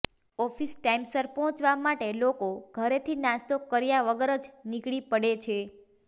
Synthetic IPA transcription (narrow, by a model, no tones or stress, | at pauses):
ɔfisʈaimsəɾpɔɦɔ̃t͡ʃʋamaʈelokoɡ̥ʱəɾet̪ʰinast̪okəɾjaʋəɡəɾəd͡ʒnikɭipəɽet͡ʃʰe